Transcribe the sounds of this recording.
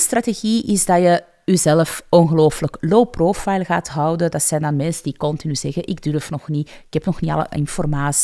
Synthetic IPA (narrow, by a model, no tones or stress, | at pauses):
strateɣiʔɪzdɑjə | yzɛləfɔnɣəloːfələklowprofajlˠɣaːtɦɑwdədɑtsɛjndɑnmɛnsədikɔntinyzɛɣəʔɪɡdyrfnɔxniɪkhɛpnɔxniɑ̰lə̰ʔɪ̰nfɔrmaːsi̥